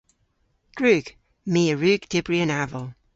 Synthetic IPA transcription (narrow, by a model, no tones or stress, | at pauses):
ɡ̥ɹʉːɡ̥ | miːəɹʉːɡd̪̥ɪbɹiənavəlˠ